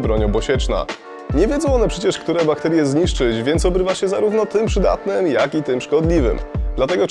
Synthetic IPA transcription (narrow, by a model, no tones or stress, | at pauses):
bɾɔɲɔbɔɕɛt͡ʂna̰ | ɲɛvʲjɛd̪zɔ̃w̃ɔnɛpʂɛt͡ɕɛʂkt̪uɾɛbakt̪ɛɾʲjɛzɲiʂt͡ʂɘt͡ɕvʲjɛntsɔbɾɘvaɕɛzaɾuvnɔt̪ɘmpʂɘd̪a̰t̪nɘmjakit̪ɘmʂkɔd̪lʲivɘ̰md̪lat̪ɛɡɔ